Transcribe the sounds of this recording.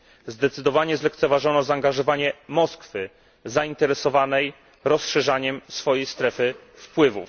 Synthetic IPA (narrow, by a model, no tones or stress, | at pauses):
zd̪ɛt̪sɘd̪ɔvaɲɛzlɛk̚t̪sɛvaʐɔnɔzaːŋɡaʐɔvaɲɛmɔskfɘ | zaint̪ɛɾɛsɔvanɛj | ɾɔsʂɛʐaɲɛmsfɔjejst̪ɾɛfɘ | fpwɘvṵf